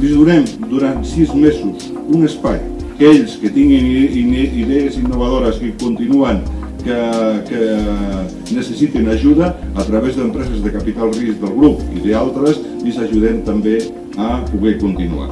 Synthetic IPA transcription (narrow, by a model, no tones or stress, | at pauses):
lizðuɾɛmd̪uɾant̪sizmezus | unespajkeʎskət̪iŋɡiniiðeezinːuβ̞aðoɾəskəkunt̪inuaŋ | kəkə | nəsəsit̪enaʒuðəːt̪ɾaβezðəmpɾɛzəzðekapit̪alˠrisd̪əlˠɣɾupiðealˠt̪ɾəs | lizaʒuðɛmt̪ambe | apuɣɛkunt̪inṵa̰